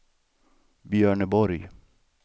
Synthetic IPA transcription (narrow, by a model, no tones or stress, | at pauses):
bjœːɳəbɔɾj